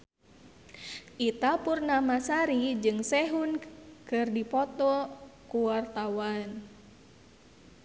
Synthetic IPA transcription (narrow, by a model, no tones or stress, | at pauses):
ʔit̪apurnamasaɾid͡ʒɨŋsɛɦunkɨrdipɔt̪ɔkuwart̪awan